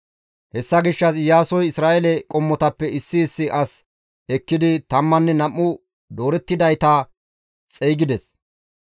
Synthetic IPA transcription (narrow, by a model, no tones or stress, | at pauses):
hɛsːɐɡɪʃːɐs̬jaːsɔjɪsɾaːʔɛlɛkʼɔmːɔt̪ɐpːɛɪsːɪːsːɪʔɐs | ɛkːɪd̪ɪt̪ɐmːɐnːɛnɐmːʊ | d̪o̞ːɾɛt̪ːɪd̪ɐjt̪ɐ | t͡sʼɛjɡɪd̪ɛs